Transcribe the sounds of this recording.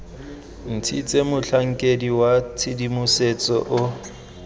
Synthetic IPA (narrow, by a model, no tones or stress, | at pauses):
n̩t͡sʰit͡sʼemʊɬʰaŋ̩kʼediwat͡sʰɪdimʊset͡sʼɔʔʊ